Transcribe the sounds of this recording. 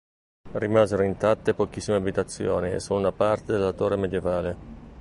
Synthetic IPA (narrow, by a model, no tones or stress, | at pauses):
rimaːzeɾoint̪at̪ːepok̟isːimeabit̪at̪sːjo̰ːniḛsununapart̪ed̪elat̪orːemed̪jevaːle